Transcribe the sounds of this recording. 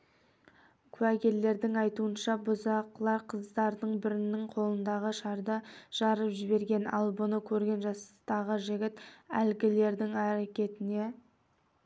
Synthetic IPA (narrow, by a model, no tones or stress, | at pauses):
kʲʰʉækʲe̞llːe̞ɾd̪ɪŋɑjt̪uənʃɑbʊzɑqlˠɑɾqʰəzd̪ɑɾd̪əɴbɪɾɪnːɪŋqʰo̞lˠənd̪ɑʁəʃɑɾd̪əʒ̥ɑɾəpʒɪbe̞ɾɡʲe̞nɑlˠbʊnəkʲʰɵɾɡʲe̞nʒɑst̪ɑʁəʒɪɡʲɪt̪ælɡʲɪle̞ɾd̪ɪŋæɾekʲe̞t̪ɪne̞